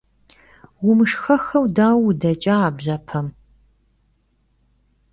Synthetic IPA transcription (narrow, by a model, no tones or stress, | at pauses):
wʊmɨʂxɐxɐwdaːwdɐt͡ʃʼaːbʑɐpʰɐm